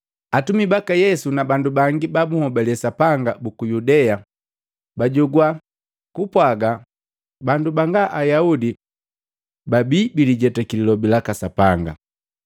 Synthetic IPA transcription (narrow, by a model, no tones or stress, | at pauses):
atumibakajɛsunabandubaŋɡibabuhɔbɛlɛsapaŋɡabukujudɛa | baɟuɡwa | kupwaɡa | bandubaŋɡaʔajaudi | babiːbiliɟɛtakililɔbilakasapaŋɡa̰